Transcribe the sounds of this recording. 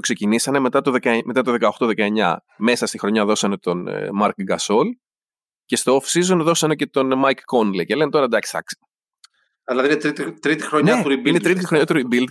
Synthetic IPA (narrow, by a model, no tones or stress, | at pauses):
okse̞cinisɐne̞me̞t̪ɐt̪o̞ðekɐeme̞t̪ɐt̪o̞ðe̞kɐoxt̪oðe̞kɐe̞ɲɐ̰ | me̞sɐst̪ixɾo̞ɲɐðo̞sɐne̞t̪o̞n̰mɐɾkɡɐso̞l | ce̞st̪oofsizo̞nðo̞sɐne̞cet̪o̞nmɐjkːonlice̞le̞net̪o̞ɾɐd̪ɐksi̥t̪ɐ̰ksi̥ | ilɐðiinet̪ɾit̪it̪ɾit̪ixɾoneɐt̪uɾibineɾit̪ixɾoɲɐt̪uɾibild̪